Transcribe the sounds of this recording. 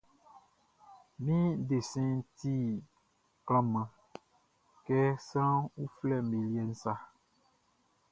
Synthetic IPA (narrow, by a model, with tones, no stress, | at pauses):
mĩ˦de˨sɛ̃˦n˦ti˦ | kl̃ã˦mã˨ | kɛ˦sã˦wu˦flɛ˦˨mẽ˨li˦ɛ˨n̩˦sa˦